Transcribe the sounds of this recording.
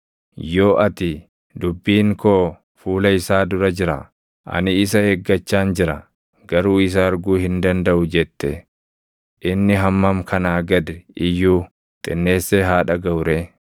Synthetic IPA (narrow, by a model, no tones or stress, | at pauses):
jo̞ːʔɐt̪ɪ | d̪ʊbːiːŋkoː | fuːlɐɪsaːd̪ʊɾɐd͡ʒɪɾɐ̰ | ʔɐ̰nɪːs̬ɐeɡːɐt͡ʃːaːnd͡ʒɪɾɐ | ɡɐɾuːɪs̬ɐːɾɡuːhɪnd̪ɐnd̪ɐʔʊd͡ʒɛt̪ːɛ | ʔɪnːɪɦɐmːɐmkʰɐnaːɡɐd̪ɛɪjːuː | t̪ʼɪnːe̞ːsːeːɦaːᶑɐɡɐʊɾe